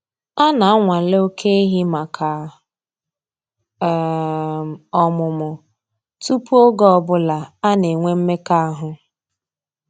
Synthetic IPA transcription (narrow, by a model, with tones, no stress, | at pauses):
a˦na˨a˦ŋʷa˨lo˦kʰe˦ɦi˦ma˨kʰa˨˦˨ | ɔ˨mʊ˨mʊ˨ | tu˦pu˦o˦ɡɔ˦˨bʊ˦la˨a˦ne˨ŋʷe˦m̩˦me˦ka˦a˦ɦʊ˨